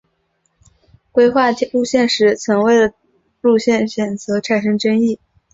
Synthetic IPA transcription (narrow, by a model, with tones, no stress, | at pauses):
kwe˥ɪxwa˥˩ɻu˥˧ɕjɛ˥˩nʂɻ̩˧˥t͡sʰɤ˧˥ŋwe˥˩ɪd̪ə˩ | ɻu˥˧ɕjɛ˥˩nɕɥɛ˨˩nt͡sɤ˧˥ʈ͡ʂʰa˨˩nʂɤ˥ŋʈ͡ʂə˥ŋi˥˩